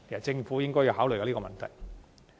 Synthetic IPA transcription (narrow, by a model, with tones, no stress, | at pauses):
e˨ɐ˨˩t͡sɪ˧ŋfuː˨˥jɪ˥ŋkɔː˥ji˨˧whaː˨˥wlə˨˩jkaː˧liː˥ɔ˧mɐ˨nt̪ʰɐ˨˩j